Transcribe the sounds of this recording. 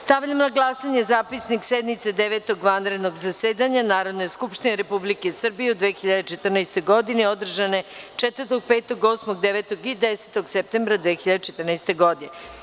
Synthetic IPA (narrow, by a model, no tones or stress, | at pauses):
st̪aʋʎamnaɡlˠasaɲezaːpisniksed̪mit̪sed̪eʋet̪oɡʋanɾed̪noɡzaseːd̪aɲanaːɾo̞d̪nejskupʃt̪ineɾepublike̞sr̩bijeud̪ʋexiʎad̪et͡ʃet̪rnajst̪o̞jɡo̞d̪ineod̪r̩ʒane̞t͡ʂet̪ʋərt̪o̞ɡ̚peːt̪o̞ɡo̞smoɡd̪eʋet̪oɡid̪eset̪o̞ɡsep̚t̪embɾad̪ʋeːxiʎad̪et͡ʃet̪ərnajst̪e̞ɡo̞d̪ine